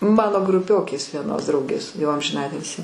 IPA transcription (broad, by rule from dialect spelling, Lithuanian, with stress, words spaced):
ˈmɑːnoː ɡrʊˈpʲoːkʲeːs ʋʲiɛˈnoːs ˈdrɐʊɡʲeːs jɛʊ ɐmʲʒʲɪˈnɑːtʲɪlʲsʲiː